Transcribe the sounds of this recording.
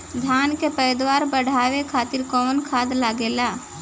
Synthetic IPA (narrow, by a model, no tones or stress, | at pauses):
d̪ʱjaːnkepəjd̪waːɾbəɽ̤ʱaːwekʰaːt̪ɪɾkɔːnkʰaːd̪laɡeːlaː